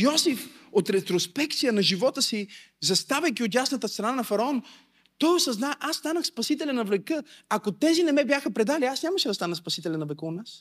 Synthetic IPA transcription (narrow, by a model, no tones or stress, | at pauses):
jɔsifot̪ɾɛt̪ɾospɛk̚t̪sijənɐʒivɔt̪əsi | zɐst̪avʲəjkʲiot̪jasnɐət̪əst̪ɾɐnanɐfɐɾɐɔn | t̪ɔjosɐznaʔast̪anəxspɐsit̪ɛlʲɛnɐvlɛkɤakot̪ɛzinɛmɛbjaxəpɾɛd̪aliasnʲamɐʃɛd̪ɐst̪anəspɐsit̪ɛlʲɛnɐvlɛkəot̪nas